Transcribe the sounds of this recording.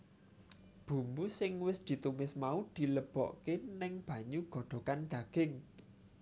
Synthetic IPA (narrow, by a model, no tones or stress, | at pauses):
b̥ṳmbusɪŋwɪsd̪̥i̤t̪umɪsmaud̪̥i̤ləb̥ɔ̰ʔkenɪŋb̥ä̤ɲuɡ̥ɔ̤ɖ̪̥o̤kand̪̥ä̤ɡ̥ɪŋ